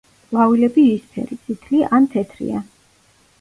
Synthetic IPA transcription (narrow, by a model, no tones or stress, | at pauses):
vavilɛbivispʰɛ̰ɾit̪sʰʼit̪ʰliʔant̪ʰɛt̪ʰɾḭa̰